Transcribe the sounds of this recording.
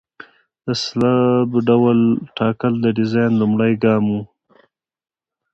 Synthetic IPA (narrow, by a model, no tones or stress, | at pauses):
d̪̥əslabɖawalʈʰɑkəld̪əɖɪzɑjnlumɽajɡɑmu